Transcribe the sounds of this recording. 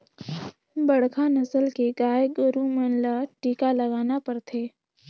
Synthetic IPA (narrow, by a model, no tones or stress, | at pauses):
bɐɽkʰanɐsəlkeɡaːjɡʊɾumənlaʈiːkalɐɡaːnapɐɾt̪ʰeː